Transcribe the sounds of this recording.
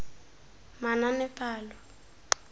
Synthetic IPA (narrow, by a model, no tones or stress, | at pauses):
mananɛpʼaːlɔ